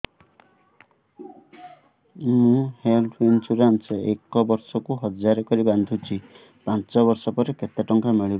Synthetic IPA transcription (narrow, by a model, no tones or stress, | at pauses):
mũhelʈʰint͡ʃuɾanseekɔbɔɾsɔkuɦɔd͡ʒaɾekɔɾiband̪ʱut͡ʃʰi | pãnt͡ʃɔβɔɾsɔpɔɾeket̪aʈɔŋkameɭib